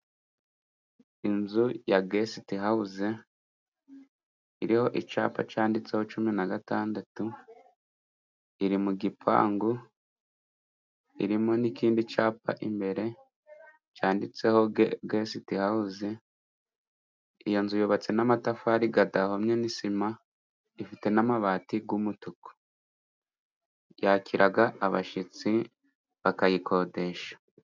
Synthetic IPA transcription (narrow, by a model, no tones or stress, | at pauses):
inzujaɡesitiɦauze | iɾiho̞ʔit͡ʃa̰ːpa̰t͡ʃaːndit͡se̞ho̞t͡ʃuminaɡataːndatu | iɾimuɡipʰa̰ːŋɡu | ḭɾimo̞nikiːndit͡ʃaːpa̰ʔimbe̞ɾe̞ | caːndit͡se̞ho̞ɡɡe̞sitihauze | ijonzujoβat͡se̞namatafuaɾiɡadahomɲenisima | ifite̞namaβaːtiɡumutuko̥ | jacʰiɾʔaɡaːβa̰ʃit͡si | βakajikʰo̞de̞ʃḁ